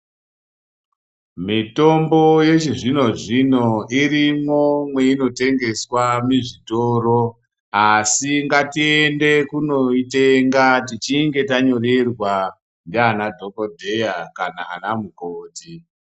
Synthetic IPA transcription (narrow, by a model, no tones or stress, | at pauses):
mito̞mbo̞je̞t͡ʃiʐino̞ʐino̞irimomwe̞ino̞te̞ŋɡe̞swamiʐito̞ːro | asiŋɡatiende̞kuno̞iteŋɡatit͡ʃiŋɡe̞taɲo̞rerwa | ndanadʱo̞kodʱe̞jakanaa̰namukoːti